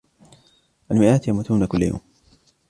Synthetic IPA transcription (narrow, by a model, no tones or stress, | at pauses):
ʔalmɪʔaːt̪jamut̪uːnakʊlːaja̰wm